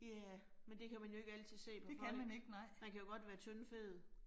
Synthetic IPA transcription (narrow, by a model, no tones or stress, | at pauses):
jæmend̥e̝kʰæmænjo̝e̝ɡ̥ælt͡sʰið̞̩̰ˠse̝̰ːpʰɒ̥ekʰæmæneɡ̥nɑɪ̰m̥ænkʰæjo̝ɡ̥ɒ̽d̥ʋæːɐt͡sʰønfe̝ːð̩ˠ